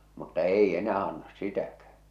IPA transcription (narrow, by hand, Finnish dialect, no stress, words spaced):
mutːɑ ei enæː ɑnːɑs sitækæ